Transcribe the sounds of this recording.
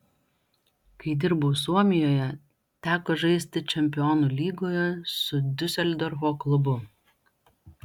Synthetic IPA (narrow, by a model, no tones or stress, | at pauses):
kɐɪd̪ʲɪɾboːs̬uɔmʲɪjoːjɛ | t̪ʲæːkoːʒɐɪsʲt̪ʲɪt͡ʃʲɛmʲpʲɪjoːnuːlʲiːɡoːjɛsʊd̪ʲʊsʲɛlʲd̪ɔɾfoːklˠʊbʊ